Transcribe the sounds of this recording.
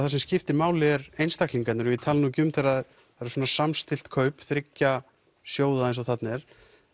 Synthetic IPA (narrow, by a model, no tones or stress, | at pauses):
θaɾsɛmscɪft̪ɪmaːwlɪɛɾejnst̪akliŋkat̪nʏɾvɪt̪ʰaːlnucʏmθaɾað | θaɾɛ̥ɾsoːnasamst̪ɪl̥t̪kʰœɥpθɾɪcːa | sjoːwðaejnsɔθat̪nɛɾ̥